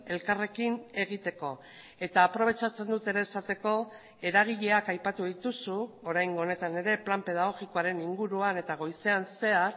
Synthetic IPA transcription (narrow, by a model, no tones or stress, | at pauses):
e̞lkare̞kine̞ɣ̞it̪e̞ko̞ | e̞t̪aːpɾo̞β̞e̞t͡ʃat͡se̞nd̪ut̪e̞ɾe̞ːsat̪e̞ko̞ | e̞ɾaɣ̞iʎe̞akajpat̪uðit̪usuo̞ɾajŋɡo̞ne̞t̪ane̞ɾe̞plampe̞ð̞aɣ̞o̞ɣiko̞aɾe̞niŋɡuɾuane̞t̪aɣ̞o̞jse̞anse̞aɾ